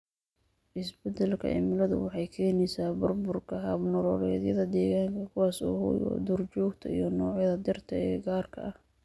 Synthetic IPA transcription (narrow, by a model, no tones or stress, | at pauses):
ʔɪsbɛd̪ɛlkʰɐ̰ʔɪ̰mɪlɐðʊ̰wɑħɑjkʰɛːnɛjsaːbʊrbʊrkʰɐɦɐbnʊɾɔːɾɛːðjɐðɐd̪ɛːɣaːŋkʰɐkʰʊwaːsɔ̰ːhʊ̰jɔ̰d̪ʊrt͡ʃɔːɡt̪ʰɐ̰ḭjɞnɔːʕjɐðɐd̪ɪrt̪ʰɐɛːɡaːrkʰɐ̰ʔɐh